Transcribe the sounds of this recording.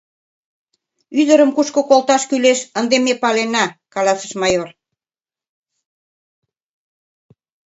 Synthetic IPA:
yd̪ə̆ɾəmkuʃkokolt̪ɑʃkyleʃənd̪emepɑlenɑkɑlɑsə̥ʃmɑjor

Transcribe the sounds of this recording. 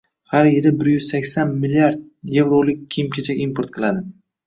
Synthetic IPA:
haɾjelɪbɪɾjʏz̥sakʲsanmɪliaɾd̪̚ | je̞vɾolɪk̚ʲʰːijmkʲʰet͡ʃʰaimpoɾt̪̚qʰɨlˠad̪ɪ

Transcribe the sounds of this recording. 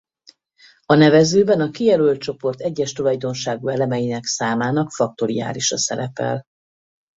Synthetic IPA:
ɒnɛvɛzøːbɛnɒkijɛlølt̪̚t͡ʃo̞po̞rt̪ɛɟːɛʃt̪olɒjd̪o̞nʃaːɡuɛlɛmɛjinɛksaːmaːnɒkfɒk̚t̪o̞ɾija̰ːliʃɒsɛ̰ɾɛpɛ̰l

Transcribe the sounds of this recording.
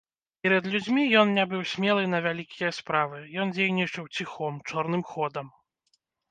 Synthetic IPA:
pʲɛɾɐd̪lʲud͡zʲmʲijɔnnʲabɨwsʲmʲɛlˠɨnɐvʲalʲikʲijɐspɾavɨjɔnd͡zʲejnʲit͡ʂɐwt͡sʲixɔmt͡ʂɔrn̪ɨmxɔd̪ɐm

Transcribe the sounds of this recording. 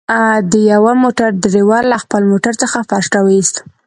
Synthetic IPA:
d̪əjawamoʈaɾd̪əɾewɑɾlaxpəlmoʈaɾt͡səxafasʈɑwəist̪

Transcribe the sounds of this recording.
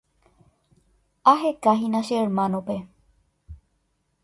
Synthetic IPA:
aɦekaɦinaseɾmãnope

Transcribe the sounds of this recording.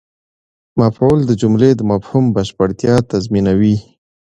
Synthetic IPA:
mafold̪əd͡ʒumled̪əmafhumbaʃpaɽt̪jɑt̪azminawi

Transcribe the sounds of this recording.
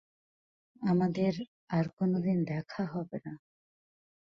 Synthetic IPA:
amad̪eɾ | aɾkonod̪ind̪ɛkʰaɦɔbena

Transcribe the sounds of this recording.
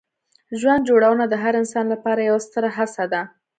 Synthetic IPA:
ʒwand̪̚d͡ʒoɽawənad̪əɦaɾɪnsɑnlapɑɾajawast̪əɾaɦasad̪a

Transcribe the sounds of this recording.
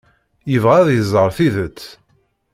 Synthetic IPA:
jəvʁæðjəzˤəɾˤθiðət͡sː

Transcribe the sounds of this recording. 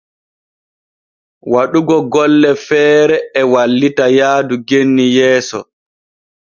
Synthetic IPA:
waɗuɡɔɡɔlːɛfɛːɾɛɛwalːitajaːduɡenːijɛːsɔ

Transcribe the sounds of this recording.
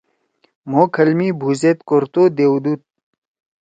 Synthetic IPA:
moːkʰɐlmiːbʱuːzet̪koɾt̪oːd̪eːd̪uːt̪̚

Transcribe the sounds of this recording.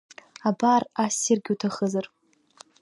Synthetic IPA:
abaːrasirɡʲutʰaχəzar

